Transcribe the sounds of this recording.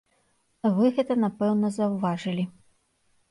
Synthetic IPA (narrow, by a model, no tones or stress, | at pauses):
vɨɣɛt̪ɐnapɛwnɐzɐwvaʐɨlʲi